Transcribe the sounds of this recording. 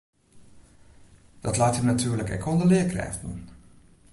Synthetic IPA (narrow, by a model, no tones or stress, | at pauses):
d̥ɑtlaːtjənatʰyːɹləkɛ̰kʰɔndəlɪəkrɛ̰ːftnṵn